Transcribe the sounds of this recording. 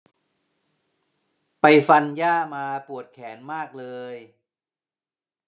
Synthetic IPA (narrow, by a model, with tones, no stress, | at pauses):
pa˧jfa˧njaː˥˩maː˧pu˨˩ət̪̚kʰɛː˩˦nmaː˥˩k̚lɤː˧j